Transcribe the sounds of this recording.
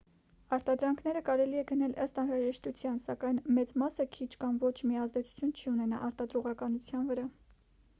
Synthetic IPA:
ɑɾt̪ɑd̪ɾɑŋkʰn̪ɛɾəkɑɾɛliɛɡənɛlʔəst̪ɑnɾɑʒɛʃt̪ut͡sʰjɑnsɑkɑjnmɛt͡smɑsəkʰit͡ʃʰkɑmvɔt͡ʃʰmiɑzd̪ɛt͡sʰu̥t͡sʰjunt͡ʃʰiunɛnɑ̰ʔɑɾt̪ɑd̪ɾuʁɑkɑnut͡sʰjɑnvəɾɑ

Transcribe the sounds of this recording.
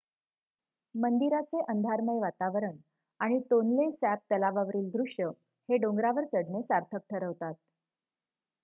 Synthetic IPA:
mənd̪iɾat͡seʔənd̪ʱaɾməjʋat̪aʋəɾəɳ | aɽ̃it̪onlesæp̚t̪əlaʋaʋɾiːld̪ɾuʂjə | heɖoŋɡɾaʋəɾt͡səɽnesaɾt̪ʰək̚ʈ̪ʰəɾəʋt̪at̪̚

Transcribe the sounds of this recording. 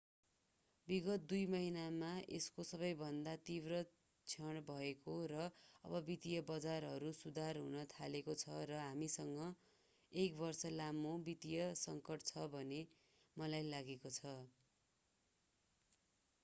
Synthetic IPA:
biɡʌt̪̚d̪ujmʌɦinamaʔeskosʌbʌjbʱʌnd̪at̪ibrʌ | t͡sʰʌɽ̃bʱʌekorʌʌ̰bʌbit̪ijʌbʌd͡zarɦʌɾusud̪ʱarɦunʌt̪ʰalekot͡sʰʌrʌɦamisʌŋɡʌ | ekbʌrsʌlamobit̪ijʌsʌŋkʌʈt͡sʰʌbʱʌne | mʌlajlaɡekot͡sʰʌ

